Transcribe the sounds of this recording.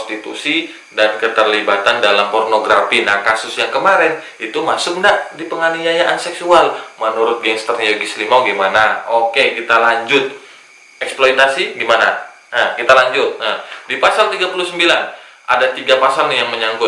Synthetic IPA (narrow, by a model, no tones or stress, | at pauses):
ɔst̪it̪ṵsi | dankət̪ərlibat̪andalampɔrnoɡɾafinahkasʊsjaŋkəmaɾɛn | it̪uma̰sʊk̚ndaʔdipəŋaniajaʔansɛksualmənuɾʊt̪̚ɡɛŋst̪ərnjoɡislimawɡemanaokekit̪alaɲd͡ʒʊt̪̚ | ɛksplojt̪asiɡimana̰ | əkit̪alaɲd͡ʒʊt̪̚nahdipasalt̪iɡapulʊsəmbilan | ʔa̰dat̪iɡapasaljaŋməɲaŋɡʊ